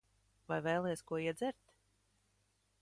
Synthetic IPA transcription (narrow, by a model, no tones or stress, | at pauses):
vajvɛjlˠiɛskuɔiɛd̪zɛɾt̪